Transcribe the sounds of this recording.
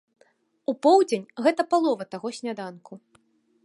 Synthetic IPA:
upɔwd͡zʲenʲɣɛt̪ɐpalˠɔvɐt̪aɣɔsʲnʲad̪ankʰu

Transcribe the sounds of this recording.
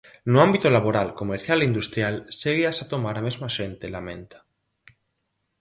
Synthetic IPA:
noãmbit̪olaβoɾalkomeɾθjaleind̪ust̪ɾjalseɣiasat̪omaɾamezmaʃẽnt̪elamẽnt̪ḁ

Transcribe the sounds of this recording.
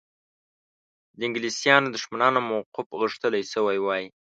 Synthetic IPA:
d̪əɪŋɡlisijɑnod̪ʊʃmanɑnomowqʊfɣəʂt̪əlajsəwajwɑji

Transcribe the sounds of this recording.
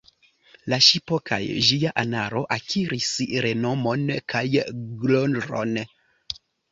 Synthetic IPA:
laʃipokʰa̰jd͡ʒiaʔanaɾo̞ʔakʰiɾisɾe̞no̞mo̞nkʰajɡlondɾo̞̰n

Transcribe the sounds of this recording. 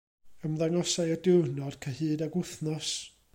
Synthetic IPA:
əmðaŋɔsajɔdɪwnɔd̥kʰahɨːdaɡʊθnɔs

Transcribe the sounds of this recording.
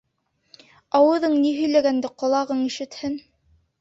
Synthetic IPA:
ɑwɤ̆ðɤɴniɦɵ̆jlæɡænd̪ɘqŏlˠɑʁɤɴiʃɘ̆t̪hɘn

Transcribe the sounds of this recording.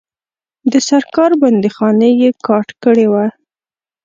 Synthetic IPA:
d̪əsaɾkɑɾband̪exɑnejekɑʈkəɽewa

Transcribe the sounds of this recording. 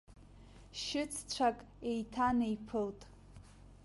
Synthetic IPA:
ʃɪt͡sʰt͡ɕʷʰakʼ | e̞jtʰanejpʰɨltʼ

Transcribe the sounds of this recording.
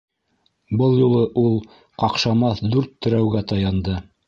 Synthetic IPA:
bɤlˠjulˠɤʔulˠ | qɑqʃɑmɑθd̪ʉɾt̪ːɵ̆ɾæwɡæt̪ɑjɑnd̪ɤ

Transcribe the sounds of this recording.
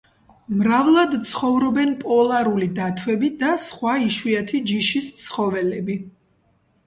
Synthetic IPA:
mɾavlˠad̪t̪sʰχɔvɾɔbɛnpʼɔlˠaɾulid̪at̪ʰwɛbid̪asχwaiʃwiat̪ʰid͡ʒiʃist̪sʰχɔvɛlɛbi

